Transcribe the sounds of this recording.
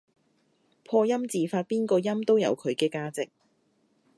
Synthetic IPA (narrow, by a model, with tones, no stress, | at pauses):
pʰɔː˧jɐ˥mt͡siː˨faː˧t̚piː˥nkɔː˧jɐ˥mt̪o˥wjɐ̰˨˧wkʰɵ˨˧ɥkɛː˧kaː˧˥t͡sɪ˨k̚